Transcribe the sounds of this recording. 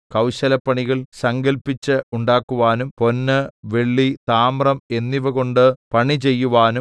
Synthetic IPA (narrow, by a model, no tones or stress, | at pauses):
kɐwɕɐlɐpːɐɳiɣɐɭsɐŋɡɐlpːit͡ɕːɨuɳɖaːkːuʋaːnumpo̞nːɨʋe̞ɭːit̪aːmrɐme̞nːiʋɐɣo̞ɳɖɨpɐɳit͡ɕe̞jːuʋaːnum